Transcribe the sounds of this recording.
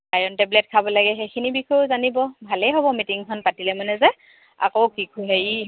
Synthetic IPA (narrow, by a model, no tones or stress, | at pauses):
ajɔntɛblɛt̚kʰabɔlaɡɛxekʰinibikʰɔzanibɔbʱalɛɦobɔmitiŋkʰɔnpatilɛmanɛzɛ | a̰kowkikʰuɦaji